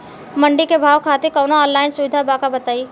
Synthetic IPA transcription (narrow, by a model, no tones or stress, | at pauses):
mɐ̃ɳɖikebʱaːʋkʰaːt̪ekɔːnaɔːnlaːɪnsʊʋɪd̪ʱabaːkabɐt̪aːiː